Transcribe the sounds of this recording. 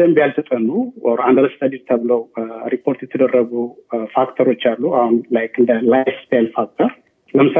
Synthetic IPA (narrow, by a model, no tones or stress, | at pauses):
əmbijalsət̪ʼənuand̪əɾəst̪ʰad̪iɾt̪ʰəβləwɾipʰo̞ɾt̪jɛt̪ʰəd̪ərːəɡufakt̪ʰəɾo̞t͡ʃːalːuahunlajkɨnd̪əlajfst̪ʰajlfak̚t̪ʰəɾ | ləmɨsa